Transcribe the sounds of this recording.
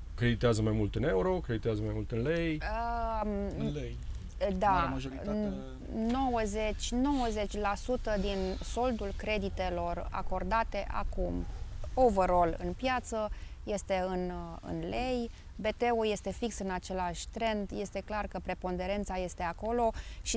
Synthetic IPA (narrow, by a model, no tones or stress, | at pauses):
kɾe̞d̪it̪eazəmajmult̪ɨne̞uɾo̞kɾe̞d̪it̪eazəmajmult̪ɨnlejə | lej | d̪aʒ | no̞wəze̞t͡ʃʲno̞wəze̞t͡ʃʲlasut̪əd̪inso̞ld̪ulkɾe̞d̪it̪e̞lo̞ra̰ko̞rd̪at̪e̞ʔa̰kumo̞vəɾo̞lɨ̰npjat̪səje̞st̪e̞ɨnɨ̰nle̞j | be̞t̪e̞uje̞st̪e̞fiksɨnat͡ʃe̞laʃʲt̪ɾe̞nd̪je̞st̪e̞klarkəpɾe̞po̞nd̪e̞ɾe̞nt̪saje̞st̪e̞ako̞lo̞ʃi